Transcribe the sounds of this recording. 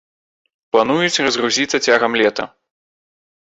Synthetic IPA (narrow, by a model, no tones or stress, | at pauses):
plˠanujut͡sʲrɐzɣruzʲit̪sɐt͡sʲaɣɐmlʲɛt̪ɐ̰